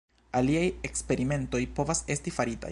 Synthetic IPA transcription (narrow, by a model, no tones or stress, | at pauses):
aliaje̞kspe̞ɾime̞nto̞jpo̞vase̞stifaɾita̰